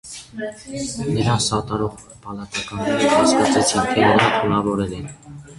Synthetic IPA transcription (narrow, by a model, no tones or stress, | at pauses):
nəɾɑsɑt̪ɑɾɔʁ | pɑlɑt̪ɑkɑnːɛɾhɑskɑt͡sʰɛt͡sʰint̪ʰɛnəɾɑnt̪ʰunɑvɔɾɛlɛn